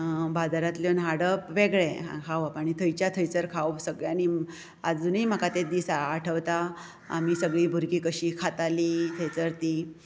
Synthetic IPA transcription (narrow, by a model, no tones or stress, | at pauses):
bad̪aɾat̪ljonɦaɽəpʋeɡɭḛkʰaʋapaɽ̃it̪ʰəjt͡ɕjat̪ʰəjt͡səɾkʰawsəɡɭjani | ad͡zunim̤əkat̪ed̪iːsaʈʰəʋt̪a̰ː | miːsəɡɭiːbʱuɾkiːkəɕiːkʰat̪alit̪ʰəjt͡səɾt̪iː